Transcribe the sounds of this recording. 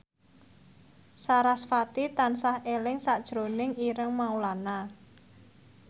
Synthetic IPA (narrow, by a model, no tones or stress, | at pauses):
saɾasfat̪it̪ansahelɪŋsad̥ʒ̥ɾonɪŋiɾəŋmaulana